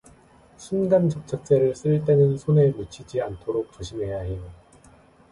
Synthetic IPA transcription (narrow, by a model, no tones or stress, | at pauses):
ɕʰunɡant͡ɕʌp̚t͡ɕʰak̚t͡ɕ͈e̞ɾɯɭs͈ɯɭt̬͈e̞nɯnsʰonemut͡ɕʰid͡ʑiantʰoɾok̚t͡ɕoɕʰimɦe̞jaɦe̞o